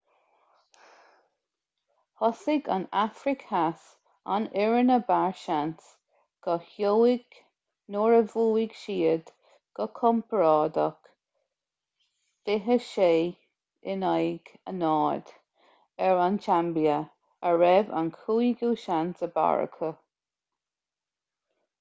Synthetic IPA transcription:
hɔsɪɡa̰nafɾɪkhas | a̰nɪɹənəbaɹʃans | ɡ̥əhjowɪɡ̥ | noːɹəvuːɪɡ̥ʃiːəd | ɡ̥əkʰɔmpɹɑːd̪ək | fɪɦəʃeː | ɪnajɡ̥ə̰nɑːd̪̥ | ɛɹant͡ʃʰambiə | əɹɛva̰nkʰuːiɡuːʃantəba̰ɹə̰kʰə

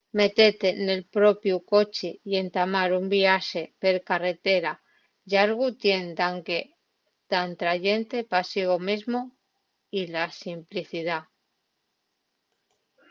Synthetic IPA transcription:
me̞t̪et̪e̞ne̞lpɾo̞pjuko̞t͡ʃije̞nt̪amaɾumbiaʃe̞pe̞ɾkare̞t̪e̞ɾa | ʎaɾɣut̪je̞nd̪aŋke | t̪ant̪ɾaʎe̞nt̪e̞pasiɣ̞omizmo | ilasimpliθið̞a

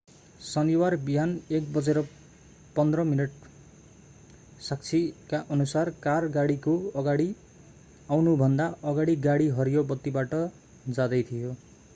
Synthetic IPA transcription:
sʌniwarbijanek̚bʌd͡zeɾʌ | pʌnd̪rʌminʌʈ | sak̚t͡sʰikaʔʌnusarkarɡaɽikoʌɡaɽi | awnubʱʌnd̪aʌɡaɽiɡaɽiɦʌɾijobʌt̪ːibaʈʌ | d͡zad̪ʌjt̪ʰijo

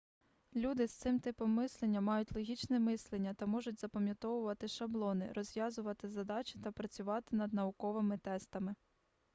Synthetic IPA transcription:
lʲud̪ɪst̪sɪmt̪ɪpɔmːɪslˠenʲːɐmɑjʊtʲlˠɔɦʲit͡ʃnɛmɪslˠenʲːɐt̪ɐmɔʒʊtʲz̥ɐpɐmʲjɐt̪ɔʋʊʋɐt̪ɪʃɐblˠɔnɪ̰ɾɔzʲʋjɑzʊʋɐt̪ɪzɐd̪ɑt͡ʃɪ̥t̪ɐpɾɐt͡sʲʊʋɑt̪ɪnɐd̪nɐʊkɔʋɪmɪt̪ɛst̪ɐmɪ

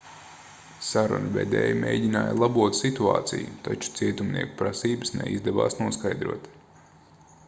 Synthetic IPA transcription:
saɾṵnvɛ̰d̪ɛ̰ːjmʲejɟinaːjlˠabuɔt̪sit̪uɑ̰ːt̪sḭjut̪at͡ʃu̥t̪siɛt̪umnʔiɛku̥pɾasiːbəsnɛ̰ḭzd̪ɛva̰ːsnuɔskajd̪ɾuɔt̪

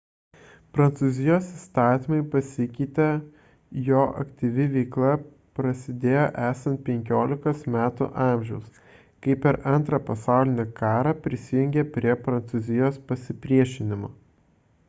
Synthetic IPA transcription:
pɾɐnt̪suːzʲɪjoːsist̪ɑːt̪ʲimɐɪpɐsʲɪkʲɪt̪ʲɛ | joːʔɐ̰kt̪ʲiʋʲɪʋʲɛɪklˠɐ | pɾɐsʲɪd̪ʲeːjoːʔæːsɐnt̪̚pʲɛŋʲkʲoːlʲɪkɐsmʲæːt̪ʊ̰ʔɑːˑmʲʒʲɛʊs | kɐɪpʲɛɾʔɐnˑt̪ɾɐpɐsɑˑʊlʲɪnʲekɑːɾɑpʲɾʲɪsʲɪjʊŋʲɡʲepʲɾʲiɛpɾɐnt̪suzʲɪjoːspɐsʲɪpʲɾʲiɛʃʲɪnʲɪmoː

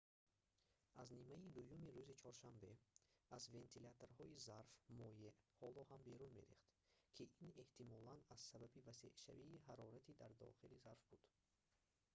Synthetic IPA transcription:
aznimaid̪ujumiɾuzit͡ʃʰɔɾʃambe̞azve̞nt̪ʰilat̪oɾhɔizaɾfmɔjeʔhɔlɔhambe̞ɾunme̞̰ɾḭχt̪kʰiʔine̞ht̪ʰimɔlanaz̥sababivasḛʔʃa̰viːɦaɾɔɾat̪ʰid̪aɾd̪ɔ̰χilizaɾfbud̪̥

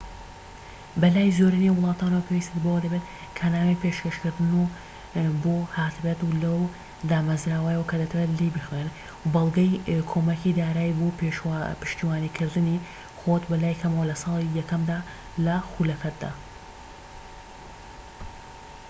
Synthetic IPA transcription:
bɐlaːjzoːɾinewʊlˠɑːt̪aːnɐwɐpʰewist̪et̪bɐwɐd̪ɐbet̪ | kʰɐnaːmejpʰeʃkɐʃkɨɾd̪ɨnu | bohaːt̪bɛt̪ulɐw | d̪aːmɐzɾaːwajɐwɐkʰɐd̪ɐt̪ʰɐwelibɨxwen | wbɐlˠɡɐjkʰomɐkid̪aːɾaːjbopepɨ̥ʃt̪iwaːnikʰɨɾd̪ɨni | xot̪bɐlaːjkʰɐmɐwɐlɐsɑːlˠijɐkɐmd̪aː | lɐxulɐfɐt̪̚d̪a̰ː

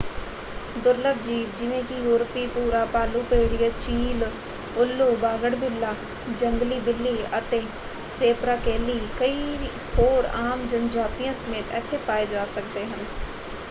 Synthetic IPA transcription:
d̪ʊɾləb̚d͡ʒiːbd͡ʒɪʋẽːkɪjuːɾəpiːpuːɾaːpaːluːpeːɽɪjaːt͡ʃiːl | ʊlːoːbaːɡəɽbɪlːaː | d͡ʒəŋɡliːb̪ɪlːiːət̪eː | seːpɾaːkeːliːkəiː | hoːɾaːmd͡ʒənd͡ʒaːt̪ɪjãːsəmeːt̪ɛ̰ːt̪ʰːeːpaːeːd͡ʒaːsəkd̪eːɦən

